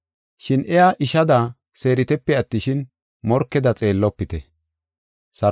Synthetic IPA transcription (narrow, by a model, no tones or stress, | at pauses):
ʃɪnʔɛjaʔɪʃɐd̪ɐ | se̞ːɾɪt̪ɛpːɛɐt̪ːɪʃɪn | mɔɾkːɛd̪ɐt͡sʼe̞ːlːɔpːɪt̪ɛ | sɐ